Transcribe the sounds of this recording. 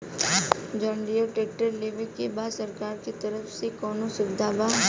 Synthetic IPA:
d͡ʒɔːɳɖijoʈeːk̚ʈəɾleʋekebaːd̪sɐɾkaːɾkit̪ɐɾəfsekɔːnosʊbɪd̪ʱaːba

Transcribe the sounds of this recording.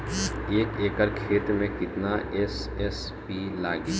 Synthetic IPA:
eːkeːkəɾkʰeːt̪mẽkɪt̪naɛs | ɛs | pilaːɡi

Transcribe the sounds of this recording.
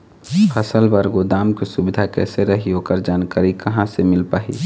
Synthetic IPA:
pʰəsəlbəɾɡod̪aːmkisubɪd̪ʱakɛːseɾəɦioːkəɾd͡ʒaːnkaːɾikəɦãsemɪlpaːɦḭ

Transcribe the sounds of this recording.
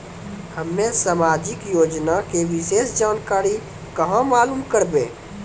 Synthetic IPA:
həmːẽsamaːd͡ʒɪkjoːd͡ʒnakeʋɪseːsd͡ʒaːnkaːɾi | kəɦãmaːlumkəɾbẽː

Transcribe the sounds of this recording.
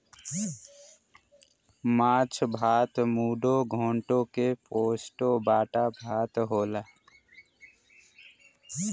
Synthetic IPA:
maːt͡ʃʰbʱaːt̪muːɖoɡʱoːɳʈõkepoːsʈobaːʈabʱaːt̪ɦoːla

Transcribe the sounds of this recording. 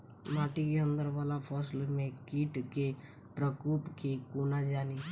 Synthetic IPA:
maːʈikeə̃nd̪əɾʋaːlapʰɔslmẽkiːʈke | pɾəkuːpkekuːnad͡ʒaːni

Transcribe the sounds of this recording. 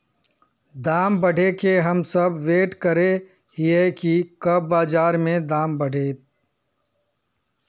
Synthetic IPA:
d̪aːmbɐɽʱekeɦɐmsɐbʋeːʈkəɾe | hiekikɐb̚ːaːd͡ʒaːɾmẽd̪aːmbɐɽʱeːt̪̚

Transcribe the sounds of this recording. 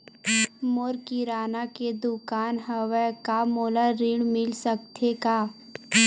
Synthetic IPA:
moɾkiɾaːnaked̪ʊkaːnɦəʋɛkamoːlaɾiːɽmɪlsək̚t̪ʰekaː

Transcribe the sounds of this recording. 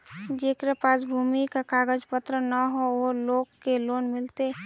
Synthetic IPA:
d͡ʒeːkɾepaːsbʱumikakaːɡəd͡ʒpət̪ɾənəɦooloːɡkːeloːnmɪlt̪e

